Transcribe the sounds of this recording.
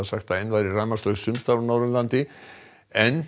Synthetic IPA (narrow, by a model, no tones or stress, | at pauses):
saxt̪aejnvajɾɪraːmast̪œɣsʏmst̪awɾnawɾðʏlant̪ɪ | ɛn